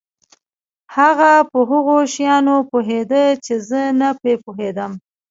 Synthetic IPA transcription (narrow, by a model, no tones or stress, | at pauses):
haɣapəɦʊɣoʃjɑnopoɦed̪ət͡ʃezənapepoɦed̪əm